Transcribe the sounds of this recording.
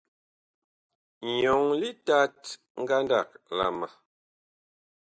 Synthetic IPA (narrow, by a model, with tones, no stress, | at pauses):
ɲ˨jɔ˨ŋli˦ta˦t | ŋ̩˦ɡa˦nda̰˦˨k̚la̰˦˨ma˨